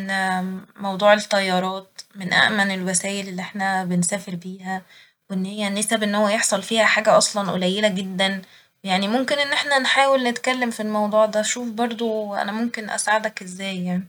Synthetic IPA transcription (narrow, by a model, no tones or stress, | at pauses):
nmɑwd̪ˤuːʕet̪ˤːɑjːɑːɾˤɑːt̪menʔæ̰ʔmænelwæsæːjelelːiʔeħnæbensæːfeɾbiːhæ | wʔenːhejːænːesæbʔenːhowːæjeħsˤɑlfiːhæħaːɡæʔɑsˤlɑnʔo̰læjːelæɡed̪ːæn | jaʕnimomkenʔenːʔeħnænħaːwelnet̪kælːemfilmɑwd̪ˤuːʕd̪æʃuːfbɑɾˤd̪ˤoʔæ̰næmomkenʔæ̰sʕad̪ækʔezːæːjːaʕni